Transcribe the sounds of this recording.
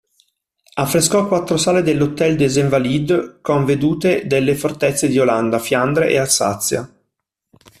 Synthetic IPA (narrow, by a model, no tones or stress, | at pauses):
afːɾeskɔkːwat̪ːɾosaːled̪elːot̪ːɛld̪ezeɱvalid̪koɱved̪uːt̪ed̪elːefort̪ɛt̪sːed̪ioland̪afjand̪ɾḛʔḛasa̰t̪sːja̰